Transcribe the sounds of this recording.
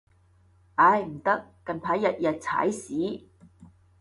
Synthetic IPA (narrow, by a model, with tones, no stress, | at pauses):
ʔaː˨˧˥jm̩˨˩t̪ɐ˥kːɐ˨npʰaː˨˥jːɐ˨˧t̚jɐ˨t̚t͡sʰa̰ː˨˥jsiː˨˥